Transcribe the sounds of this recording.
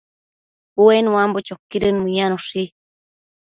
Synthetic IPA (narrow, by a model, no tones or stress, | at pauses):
uenuwambot͡ʃokːiɾɨnmɨjanoʂi